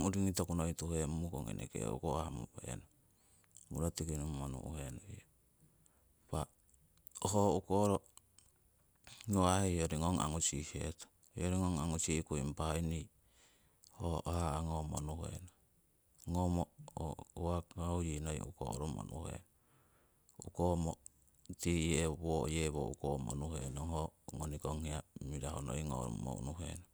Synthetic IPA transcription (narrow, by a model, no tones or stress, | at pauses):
uɾiŋitokunoituhemukoŋḛnʔḛkḛṵkoamṵpḛno | muɾotikinumonṵʔṵhenoio | pa | oɦoukoɾo | ŋoaheoɾiŋoŋa̰ŋusiheto̥ | joɾiŋoŋaŋusikuimpaini | hohaːŋomonuhḛno | ŋomo | uaaujinoj̰ṵko̰ɾomo̰nʔṵhḛn | ukomo | tiβojeβo̰ukomo̰nuhḛnoɦoŋonikoŋheamiɾahono̰iŋo̰ɾ̰mo̰ṵnuɦḛno